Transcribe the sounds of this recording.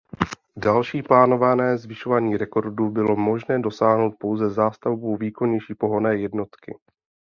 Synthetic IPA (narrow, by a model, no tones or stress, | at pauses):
dalʃiːplaːno̞vanɛːzvɪʃo̞vaːɲiːɾɛko̞ɾdubɪlo̞mo̞ʒnɛːdo̞saːɦno̞wt̪̚po̞wzɛzaːst̪avbowviːkonɲɛjʃiːpo̞ɦo̞nɛːjɛdno̞t̪kɪ̰